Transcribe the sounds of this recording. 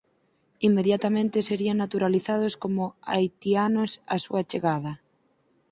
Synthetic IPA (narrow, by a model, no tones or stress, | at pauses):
imːeðjat̪amẽnt̪eseɾiaŋnat̪uɾaliθað̞oskomoa̰jt̪ianosa̰sṵat͡ʃeɣað̞ɐ